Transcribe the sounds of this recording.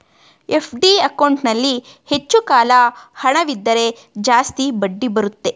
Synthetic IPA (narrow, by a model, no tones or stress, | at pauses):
e̞pʰɖiɐkɐwɳʈnɐlːi | he̞t͡ʃːukaːlɐhɐɳɐʋid̪ːɐɾe̞ | d͡ʒaːst̪ibɐɖːibɐɾut̪ːe̞